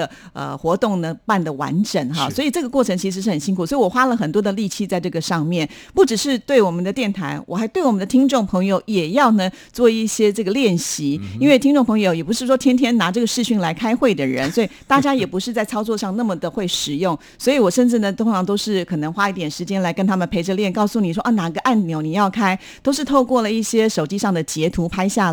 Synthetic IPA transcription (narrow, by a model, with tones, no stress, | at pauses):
ə˩ə̰˧xwɔ˧˥t̪ʊ˥˩ŋnə˩pa˥˩nd̪ə˩wa̰˧˥nʈ͡ʂə˨˩ŋxɑ̰˧˩swɔ˧˥i˨˩ʈ͡ʂɤ˥˩ɡə˩kwɔ˥˩ʈ͡ʂʰɤ˧˥ŋt͡ɕʰi˧˥ʂɻ̩˧˥ʂɻ̩˥˩xə˨˩nɕi˥ŋkʰu˨˩swɔ˧˥i˨˩wɔ˨˩xwa˥lə˨xə˨˩nt̪̬wɔ˥d̪ə˨li˥˧t͡ɕʰi˥˧t͡sa˥˧ɪʈ͡ʂɤ˥˩ɡə˩ʂɑ˥˧ŋmjɛ˥˩n | pu˥˩ʈ͡ʂɻ̩˨˩ʂɻ̩˥˧t̪we˥˩ɪwɔ˨˩mə˦nd̪ə˧t̪jɛ˥˩nt̪ʰa˧˥ɪwʔɔ˨˩xa˧˥ɪt̪we˥˩ɪwɔ˨˩mə˦nd̪ə˧t̪ʰi˥ŋʈ͡ʂʊ˥˩ŋpʰɤ˧˥ŋjo˧˦ʊjɛ˨˩jɑ˥˩ʊnə˩ | t͡swɔ˥˧i˥˩ɕjɛ˥ʈ͡ʂɤ˥˩ɡə˩ljɛ˥˩nɕi˧˥i˥nwe˥˩ɪi˥ŋʈ͡ʂʊ˥˩ŋpʰɤ˧˥ŋjo˨˩ʊjɛ˨˩p̬u˧˥ʂɻ̩˥˩ʂwɔ˥t̪ʰjɛ˥nt̪ʰjɛ˥nna˧˥ʈ͡ʂɤ˥˩ɡə˩ʂɻ̩˥˧ɕy˥˩ŋla˧˥ɪkʰa˥ɪxwe˥˩ɪd̪ə˩ɻə̰˧˦nswɔ˧˥i˨˩t̪a˥˩t͡ɕja˥jɛ˨˩pu˧˥ʂɻ̩˥˧t͡sa˥˩ɪt͡sʰɑ˥ʊt͡swɔ˧ʂɑ˥˧ŋna˥˩mə˩d̪ə˩xwe˥˩ɪʂɻ̩˨˩jʊ˥˩ŋ | swɔ˧˥i˨˧˦wɔ˨˩ʂə˥˧nʈ͡ʂɻ̩˥˩nə˩t̪ʰʊ˥ŋʈ͡ʂʰɑ˧˥ŋt̪o˥ʊʂɻ̩˥˩kʰɤ˨˩nɤ˧˥ŋxwa˥i˥˩t̪jɛ˨˩nʂɻ̩˧˥t͡ɕjɛ˥nla˧ɪkə˥nt̪ʰa˥mə˨npʰe˧˥ɪʈ͡ʂə˧ljɛ˥˩nkɑ˥˩ʊsu˥˩ni˨˩ʂwɔ˥ʔɐ˥˩na˨˩˧ɡə˧ʔa˥˩nmjo˧˥ʊni˨˩jɑ˥˩ʊkʰa˥ɪ | t̪o˥ʊʂ̬ɻ̩˥˧t̪ʰo˥˧ʊkwɔ˥˩lə˩i˥˩ɕjɛ˥ʂo˨ʊt͡ɕi˥ʂɑ˥˩ŋd̪ə˩t͡ɕjɛ˧˥t̪ʰu˧˥pʰa˥ɪɕja˥˩